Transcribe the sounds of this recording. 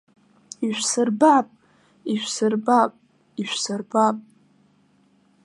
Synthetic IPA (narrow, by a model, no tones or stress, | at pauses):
iʃʷᶣsɨrbapʼ | iʃʷᶣsɨrbapʼ | iʃʷsɨrbapʼ